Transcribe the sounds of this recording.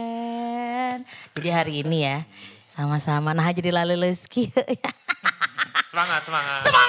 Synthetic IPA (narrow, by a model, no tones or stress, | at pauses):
nd͡ʒadiɦaɾiːnijasamasamanaɦad͡ʒadilaluləskiəʔja | səmaŋat̪̚səmaŋasəma